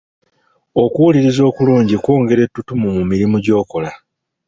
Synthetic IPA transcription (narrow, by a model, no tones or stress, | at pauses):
o̞kuwuliɾizo̞ːkuluːɲɟikwoːŋɡe̞ɾe̞tːutumumumiɾimuɟo̞ːko̞la